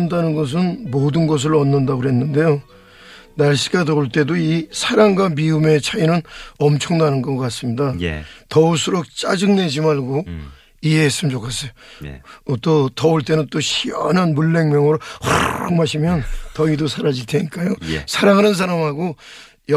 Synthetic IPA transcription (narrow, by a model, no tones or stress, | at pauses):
ndanɯnɡʌs̬ʰɯnmodɯnɡʌs̬ʰɯɾʌnːɯndaɡoɦe̞nːɯnde̞jo | naɭɕʰi̥ɡatʌuɭt͈e̞doisʰaɾaŋɡwamiume̞t͡ɕʰainɯnʌmt͡ɕʰʌŋnanɯnɡʌk͈as͈ɯmɲidaj̰tʌuɭsʰɯɾok̚t͡ɕ͈ad͡ʑɯŋne̞d͡ʑimaɭɡo | iɦe̞ɦes͈ɯmind͡ʑokʰas͈ʌjo | t͈otʌuɭt͈e̞nɯnt͈oɕʰijʌnɦanmuɭːe̞ŋmjʌŋɯɾoxaomaɕʰimjʌntʌidosʰaɾad͡ʑilt͈ʰeɲik͈ajosʰaɾaŋɦanɯns̬ʰaɾamɦaɡo | jʌ